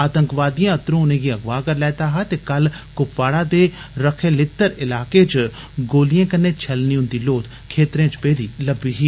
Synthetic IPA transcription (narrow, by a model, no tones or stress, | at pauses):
aːt̪ə̃ŋkʋaːd̪ijãɐt̪ɾõʊnẽɡiɐɡʋaːkəɾlɛːt̪aɦat̪ekɐlkʊpʋaːɽad̪eɾəkʰelɪt̪ːəɾɪlaːket͡ʃ | ɡoːlijẽːkənːet͡ʃʰɐlniɦʊ̃nd̪iloːt̪ | kʰeːt̪ɾẽːt͡ʃpeːɾiːləbiːɦiː